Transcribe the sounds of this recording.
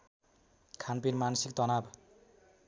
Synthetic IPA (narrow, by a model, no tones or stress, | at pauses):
kʰanpiɾmansikt̪ʌnab